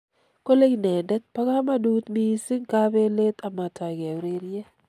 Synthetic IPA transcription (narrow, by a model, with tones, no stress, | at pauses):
ko˦le˦ɡi˨nɛ˨dɛ˦k̚pa˦ka˦ma˦du˦t̪mi˦sɪ˦ŋka˦be˦le˦t̪a˨ma˨ta˨ɡe˨wɾe˦ɾjɛ˦